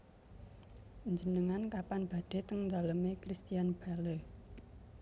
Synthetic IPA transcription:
ʔuɲd͡ʒənəŋankapanb̥ä̤d̥e̤t̪əŋnd̪a̤ləmekɾist̪ijanb̥alə

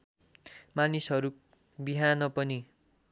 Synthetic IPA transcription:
manisɦʌɾu | biɦanʌpʌni

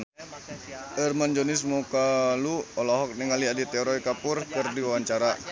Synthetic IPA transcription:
ɛrmand͡ʒɔnismukaluɔlaɦɔk̚niŋaliadit̪ɛɔɾɔikapʊrkɨrdiwawaɲt͡ʃaɾa

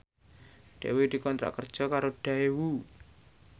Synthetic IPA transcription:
ɖ̥ewed̪̥i̤kɔnt̪ɾa̰ʔkər̥ʒ̥ɔ̤kaɾoɖ̥a̤ewu

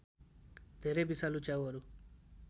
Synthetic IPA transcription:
t̪eɾebisalut͡ʃaʋaɾu

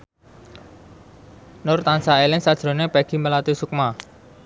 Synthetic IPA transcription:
nʊrt̪ansaelɪŋsad̥ʒ̥ɾo̤nepɛɡ̥iməlat̪isuk̚ma

